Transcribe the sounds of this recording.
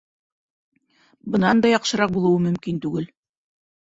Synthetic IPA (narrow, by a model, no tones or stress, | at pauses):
bɤ̆nɑnd̪ɑjɑqʃɤ̆ɾɑq̚bulˠɤ̆wɤmɵ̆mkint̪ʉɡɘl